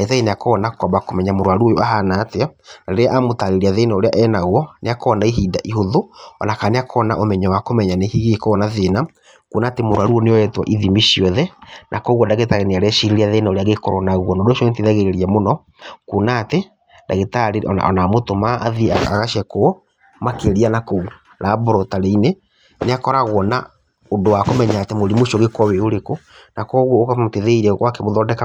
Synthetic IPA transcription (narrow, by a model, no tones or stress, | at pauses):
aɣetaɣineakɔːnakɔbakomɛɲamoɾwaɾuojoaɦanateanaeɾeaʔamotaɾeɾiaðenaoɾeaʔɛnaɣwɔneakɔnaiɦiːdaʔiɦoðoɔnakaːneakʰɔna̰ʔomɛɲɔwakomɛɲanehiɣekɔnaðena | kunaːtemoɾwaɾuɔneɔɛtwa̰ʔiðimiʃiɔðɛnʔa̰kɔɣwɔdaɣetaɣeneaɾeɛʃiɾiɾiaðenaoɾeaɣekɔɾɔnaɣwɔnoːdoʃɔŋetiðaɣeɾeɾiɛmonɔ | kunaːte | ndaɣetaɾeɔ̰a̰ɔ̰namotomaːðiaa̰ɣaʃɛko | makeɾianakɔu | ɾaːbɔɾɔtaɾeine | neakɔɾaɣwɔna̰ | ondowakomɛɲaːtɛmoɾimoʃɔɣekɔweoɾeko | nakɔɣwɔkteðeiɾɛɣwakemoðɔːdɛka